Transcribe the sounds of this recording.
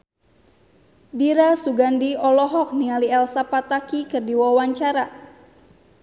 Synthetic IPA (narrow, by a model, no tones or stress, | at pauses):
diɾasuɡandiɔlɔɦɔk̚nialiɛlsapat̪akikɨrdiwawaɲt͡ʃaɾa